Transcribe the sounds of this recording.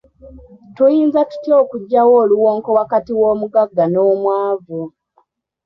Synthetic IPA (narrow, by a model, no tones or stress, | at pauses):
tujiːnzatu̥tjoːkuɟːawoːluwoːŋko̞wakatiwo̞ːmuɡaɡːanoːmwaːvu